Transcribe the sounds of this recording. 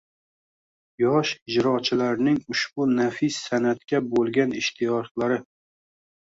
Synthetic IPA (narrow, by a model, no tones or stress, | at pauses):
jɒʃɪd͡ʒɾɒt͡ʃʰɪlaɾnɪŋʊʃbʊnafɪsːanat̪̚kʲabolˠɡʲanɪʃt̪ʰɪjɒt̪laɾɪ